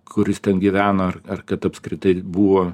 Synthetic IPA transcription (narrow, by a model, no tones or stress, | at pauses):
kʰʊɾʲɪst̪ʲɛnɡʲɪʋʲæːnɐɐrɐrkɐt̪ɐpskɾʲɪt̪ɐɪbuːʋoː